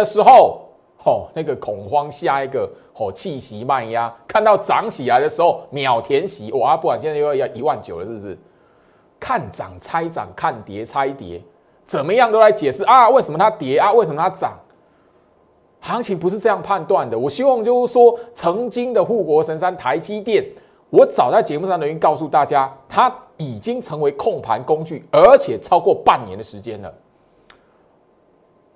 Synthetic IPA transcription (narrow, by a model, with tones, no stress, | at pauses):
ə˧ʂɻ̩˧˥xo˥˨ʊ | ɔ˨˩na˥˩ɡə˨kʰɔ˨˩ŋxwɑ˦ŋɕja˥˧i˥˩ɡə˨˩ | xɔ˨˩t͡ɕʰi˥˩ɕi˨˦ma˥˩nja˦kʰa˥˧nt̪ɑ˥˩ʊt͡sɑ˨˦ŋɕi˨˩la˧˦ɪd̪ə˧ʂɻ̩˧˦ho˥˩ʊmjɑ˨˩ʊt̪ʰjɛ˧˥nɕi˨˦ʔwɔ˨˩a˧˦pu˥˩kwa˨nɕɛ˥˧a˥˧jja˥˩˨i˧˦wa˥˨nt͡ɕjo˨˩ʊd̪ə˦˩ʂ̩˥˧ʂ̩˥˩ | kʰa˥˩nt͡sɑ̰˨˩ŋt͡sʰa˦ɪt͡sɑ̰˨˩ŋkʰa˥˩nt̪jɛ˨˦t͡sʰa˦ɪt̪jɛ̰˨˦ | t͡sə˨˩nmə˦jɑ˥˩ŋt̪o˥la˧˥ɪt͡ɕjɛ˨˩ʂɻ̩˥˩ʔa˧˦we˥˩ɪsə˨˩mə˧t̪ʰa˥t̪jɛ˨˥a˨˦we˥˩sə˨˩mə˧t̪ʰa˥t͡sɑ̰˨˩˦ŋ | hɑ˨˧˥ŋt͡ɕʰi˨˥ŋpu˧ʂɻ̩˥˧t͡sɤ˥˧jɑ˥˧ŋpʰa˥˧nt̪wa˥˩nd̪ə˩˨wɔ˨˩ɕi˥wɑ˥˧ŋt͡ɕjo˥˧ʊʂ̩˥˩swɔ˦t͡sʰɤ˧˥ŋt͡ɕi˦ŋd̪ə˨xu˥˩kwɔ˧˥ʂə˧˦nsa˦nt̪ʰa˧˦ɪt͡ɕi˦t̪jɛ˥˩n | wɔ˨˥t͡sɑ˨˩ʊt͡sa˥˩ɪt͡ɕjɛ˧˦mu˥˩ʂɑ˥˩ŋd̪ə˧˨y˥˧nkɑ˥˧ʊsu˥˧t̪a˥˨˩t͡ɕja˦t̪ʰa˦i˨˩t͡ɕi˦ŋt͡sʰɤ˧˥ŋwe˧˦ɪkʰo˥˩ŋpʰa̰˧˦nko˦ŋt͡ɕy˥˩ə˧˥t͡ɕʰjɛ˨˩t͡sʰɑ˥ʊkwɔ˥˧pa˥˩nːjɛ̰˧˦nd̪ə˨ʂɻ̩˧˦t͡ɕjɛ˦nlə̰˨